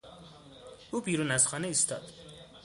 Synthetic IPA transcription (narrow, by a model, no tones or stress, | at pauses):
uːbiːɾunæzχɒːneist̪ʰɒ̰d̪̥